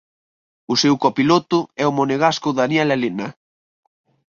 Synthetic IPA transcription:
ʊsewkɔpilot̪ʊɛʊmoneɣaskʊðanjɛlalena

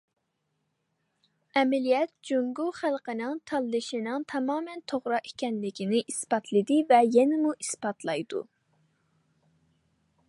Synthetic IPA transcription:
ɛmɛlijɛt̪̚d͡ʒoŋɡuχælˠqənɨŋt̪ʰɑlˠːɨʃinɨŋt̪ʰɑmɑːmɛnt̪ʰoʁɾɑʔikʲɛnlɪkʲinɪʔispɑt̪ʰlˠɨd̪ɪvɛjɛnɪmuʔispɑt̪ʰlˠɑjd̪ṵ

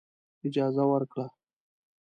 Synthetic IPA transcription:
ɪd͡ʒɑzawəɾkɽa

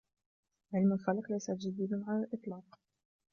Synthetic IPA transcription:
ʕɪlmalxalaqlajsat̪ʒad̪iːd̪amaʕalʔɨt̪ˤlɑːq

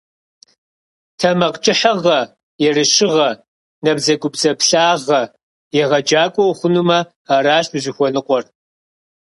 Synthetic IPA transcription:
tʰɐmɐqt͡ʃʼɪħɐʁɐ | jɛrɨʃɪʁɐ | nɐbzɐɡʷʊpzɐpɬaːʁɐ | jɛʁɐd͡ʒaːkʷʼɔʊχʷʊnumɐ | aɾaːɕɨʑɪxʷɔnɨqʷʼɔr

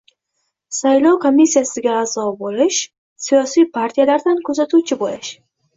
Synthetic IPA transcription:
sajlɒwkʰo̞mːisːijasɪɡʲaːzɒbolɪʃ | sijɒsijpʰaɾt̪ʰijalaɾd̪ankʰɵzat̪ʰuwt͡ʃʰɪbolɪʃ

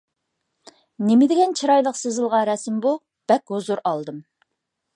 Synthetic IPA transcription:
nɪmɪd̪ɪɡʲɛnt͡ʃʰiɾɑjlˠəqsɨzɨlˠʁɑɾɛsmbu | b̥ɛkʲhozuɾɑlˠd̪ɨm

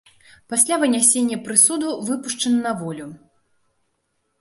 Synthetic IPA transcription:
pasʲlʲavɨnʲasʲenʲːɐpɾɨsud̪uvɨpuʂt͡ʂɐnɐnɐvɔlʲu

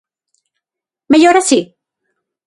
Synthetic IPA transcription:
meʎoɾasi

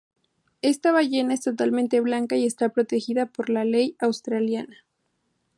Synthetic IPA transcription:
e̞st̪aβaʝe̞nae̞st̪o̞t̪almẽnt̪e̞βlaŋkaie̞st̪apɾo̞t̪e̞xiðapo̞ɾlale̞jawst̪ɾaljana

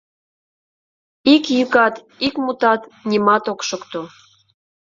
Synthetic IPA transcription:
ikjykɑt̪ | ikmut̪ɑt̪nʲimɑt̪okʃokt̪o

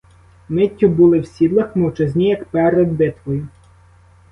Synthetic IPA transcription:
mɪtʲːɔbulˠɪwsʲid̪lˠɐxmɔwt͡ʃezʲnʲijɐkpɛɾɛd̪̚bɪt̪ʋɔjʊ

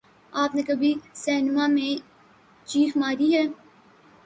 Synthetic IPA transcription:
aːpnekɐbʱisɛːnmãmẽ | t͡ʃiːxmaːɾiɦɛː

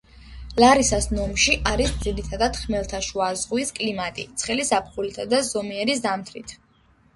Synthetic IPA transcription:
laɾisasnɔmʃiʔaɾisd̪ziɾit̪ʰad̪ad̪̥χmɛlˠt̪ʰaʃuazʁwiskʼlimat̪ʼḭt̪sʰχɛlisapʰχulit̪ʰad̪azɔmiɛɾisd̪amt̪ʰɾit̪ʰ

